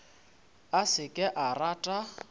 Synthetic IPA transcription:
asɪkʼɪʔaratʼa

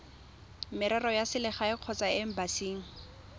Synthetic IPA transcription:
mɪɾɛrɔjasɪlɪχaɪq͡χʰɔt͡saɪm̩basiːŋ̩

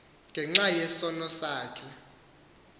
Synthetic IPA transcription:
ŋɡʱɛŋ͡ǁajɛsɔnɔsaːkʰɛ

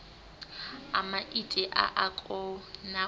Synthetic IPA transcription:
a̰maʔitʼɪʔa̰ʔakʼɔna

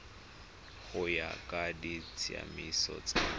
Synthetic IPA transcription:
χʊjakʼadit͡sʰʼɪa̰misɔ̰t͡sʼa

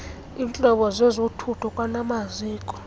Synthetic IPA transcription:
int͡ɬʼɔɓɔzɛzotʰutʰɔkʼwanamaziːkʼɔ̥

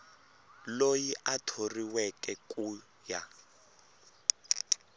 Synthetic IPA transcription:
lojiʔatʰoriwɛkʼɛkʼuː | ja

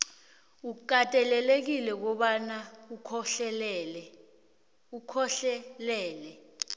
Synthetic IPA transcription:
uk̬ʼatʼɛlɛlek̬ilɛk̬ɔɓanaukʰɔɬɛlɛlɛ | ukʰɔɬɛlɛːlɛ

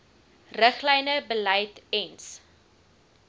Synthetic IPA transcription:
rəχlɛjnəbəlɛjtɛns

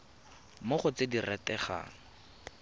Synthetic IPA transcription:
moχʊt͡sediratɛχa̰ːŋ̩

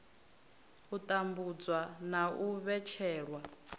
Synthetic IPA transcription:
ut̪ʼambud͡zwanaʔuβɛt͡ʃʰɛːɺwa

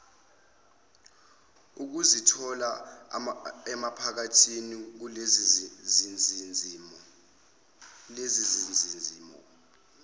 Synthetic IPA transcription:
uk̬uzitʰɔla | ɛmapʰak̬atʰinik̬u | i | lezizininiːmɔ̰

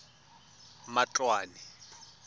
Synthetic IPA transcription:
mat͡ɬʼwaːnɛ

